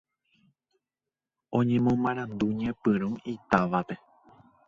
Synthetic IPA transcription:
õ̞ɲẽ̞mõmãɾ̃ãnd̪uɲẽpɨɾ̃ũit̪aʋape̞

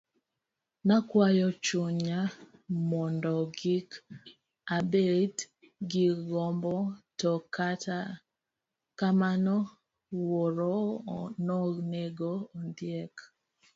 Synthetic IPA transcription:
nakwajɔt͡ʃoɲamɔndɔɡik | abet | ɡiɡɔmbɔtɔkata | kamanɔ | woɾɔnɔneɡoːndjɛk

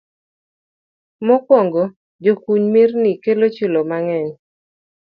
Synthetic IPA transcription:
mɔkwɔŋɡɔ | d͡ʒokuɲmɪrnikelot͡ʃulomaŋɛɲ

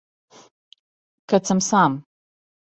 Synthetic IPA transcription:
kɐt͡sʰɨmsaːm

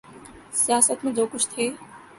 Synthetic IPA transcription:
sijaːsət̪mẽd͡ʒoːkʊt͡ʃʰt̪ʰeː

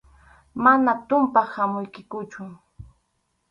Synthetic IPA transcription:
manat̪ʊmpahamʊjkɪkʊt͡ʃʊ

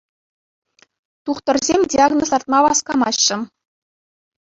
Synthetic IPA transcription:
t̪uχt̪ɤ̆rzʲemʲdʲiɑɡnosɑrt̪mɑʋɑskɑmɑɕːɘ̆

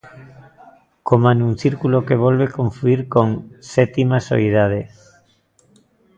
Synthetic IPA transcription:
komãnunθiɾkulokeβ̞olβekõɱfuiɾkoŋsɛt̪imaso̰iðað̞e

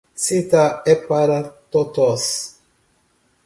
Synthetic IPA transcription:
sit̪aepaɾat̪ot̪os

